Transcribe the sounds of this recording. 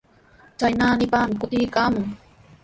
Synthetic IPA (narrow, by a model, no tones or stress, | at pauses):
t͡ʃajnaːnɪpaːmɪkʊt̪ɪjkaːmʊŋ